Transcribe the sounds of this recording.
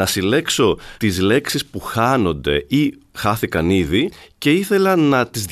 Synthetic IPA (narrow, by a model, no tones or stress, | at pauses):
ɐsile̞kso̞t̪izle̞ksispuxɐno̞nd̪e̞̰ixɐθikɐniðice̞iθe̞lɐnɐt̪izð